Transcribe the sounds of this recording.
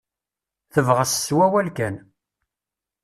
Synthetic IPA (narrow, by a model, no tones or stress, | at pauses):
θəvʁəsswæwælkæn